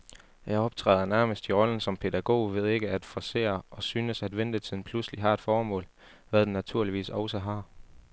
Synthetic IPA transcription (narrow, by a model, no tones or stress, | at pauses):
jɑ̈ɪɒ̽b̥̚t͡sʰʁɛ̰ːðˠɐnæɐməsd̥iʁɒ̽lən̩sɒ̽mpʰe̝dæɡ̥o̝̰ːʋe̝ð̞̰ˠe̝ɡ̥əæd̥fɒse̝̰ːɐɒ̽syːnəsæd̥ʋend̥ət͡sʰið̰ˠn̩pʰlusliɦɑ̈e̝d̥fɒːmɔ̰ːl | ʋæðˠd̥enæt͡sʰuɐliʋḭːsɒʊsɒɦɑ̈